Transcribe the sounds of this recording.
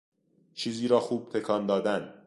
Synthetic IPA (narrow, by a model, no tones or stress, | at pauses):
t͡ʃʰiːziːɾɒːxuːb̥̚t̪ʰe̞kʰɒːnd̪ɒːd̪æn